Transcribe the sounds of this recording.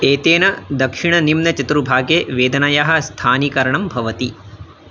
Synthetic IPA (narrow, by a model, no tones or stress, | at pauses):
eːt̪eːnɐd̪ɐkʂiɳɐnimnɐt͡ʃɐt̪ɾubʱaːɡeːʋeːd̪ɐnɐjaɦɐ̆st̪ʰaːnikɐɾɐɳɐmbʱɐʋɐt̪i